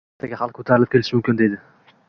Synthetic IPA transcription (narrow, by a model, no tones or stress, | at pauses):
t̪ʰaɡʲahalˠq̚kʰo̥t̪ʰaɾɪlɪp̚kʲe̞lɪʃmʊmkʲɪnd̪e̞jd̪ɪ